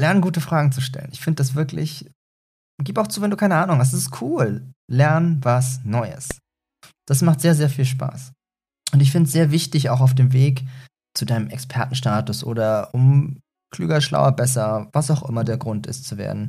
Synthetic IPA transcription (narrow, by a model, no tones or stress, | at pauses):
lɛɐnənɡuːtəfʁ̥aːɡŋ̩t͡suʃtɛ̰lə̰nɪçfɪndəd̥as̬v̥ɪɐklɪ̰ç | ɡiːpaʊxt͡suːvɛnduːkʰaɪnəʔaːnʊŋhastsɪstkʰuːlːɛɐnənvasnɔʏə̰s | d̥asmaχtz̥eːɐzeːɐfiːlʃpa̰ːs | ʔʊntɪçfɪndəsz̥eːɐvɪçtɪçaʊxaʊfd̥eːmveːk | t͡sudaɪnəmɛkspʰɛɐtn̩ʃtaːtʊsʔo̰ːɾɐʔʊm | kʰlyːɡɐʃla̰ʊɐbɛs̬ɐvasaʊxʔɪmɐdeːɐɡʁʊntɪ̰stt͡suvḛːɐdn̩